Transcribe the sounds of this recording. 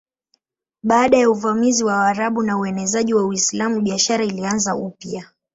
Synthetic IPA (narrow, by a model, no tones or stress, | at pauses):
ɓaːɗajauvamiziwaːɾaɓunauɛnɛzaʄiwauislamuɓiaʃaɾailianzaupia